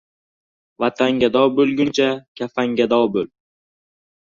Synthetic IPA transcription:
vat̪ʰaŋɡʲad̪ɒwbɵlɡʲʊnt͡ʃʰakʲʰafaŋɡʲad̪ɒwbɵl

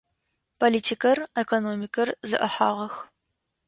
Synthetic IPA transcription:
pʰoliːtʰikɐrekonoːmikʰɐrzɨ̰ʔɐħa̰ːʁɐx

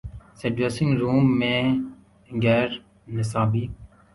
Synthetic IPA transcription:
seɖʋesɪ̃ŋɡɾuːmːẽː | ɡɛːɾ | nɪsaːbiː

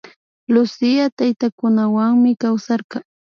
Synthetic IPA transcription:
lʊsɪjat̪ajt̪akʊnawaŋmɪkawsaɾqɑ

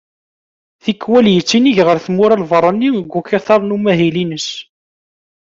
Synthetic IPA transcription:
θikːwæljət͡sːiniʝʁəɾθəmʊɾælvəɾˤːənːiəɡʷːukɑθɑɾˤnumæɦilinəs

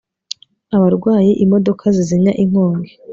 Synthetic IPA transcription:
aβaɾɡwaːjiʔimo̞do̞kʰaziziɲaʔiŋhoːŋɡe

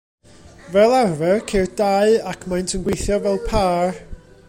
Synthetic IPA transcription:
vɛlˠarvɛrkʰerd̥aɨakʰmajntʰənɡwejθjɔvɛlˠpʰaːr

